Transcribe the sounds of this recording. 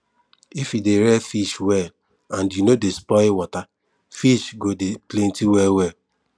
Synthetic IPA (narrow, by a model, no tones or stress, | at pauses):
ifideɾɛfiʃwɛl | ãndjunodespɔewɔta | fiʃɡodeplẽntiwɛwɛ